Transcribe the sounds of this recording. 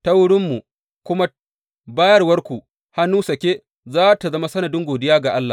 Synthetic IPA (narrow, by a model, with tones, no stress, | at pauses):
tɐ˦wʊ˦ɽɪ˦mːu˨ | kʷʊ˦ma˦ | baː˦jɐ˦rwɐ˦rkʷu˨ | ha˦nuː˦sɐ˨kʲe˦ | zaː˦ta˨zɐ˦ma˦sɐ˦nɐ˨dɪ˦ŋɡoː˨dɪ˦jaː˦ɡa˨ʔa˦lːa˨